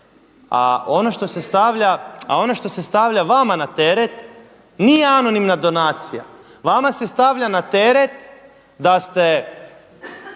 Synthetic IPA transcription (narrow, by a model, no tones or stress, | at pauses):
a̰o̞noʃt̪o̞se̞st̪aʋʎaa̰o̞no̞ʃt̪o̞se̞st̪aʋʎaʋamanat̪eɾet̪ | nijeano̞nimnad̪o̞naːt̪sija̰ | ʋamase̞st̪aʋʎanat̪eɾet̪ | d̪ast̪e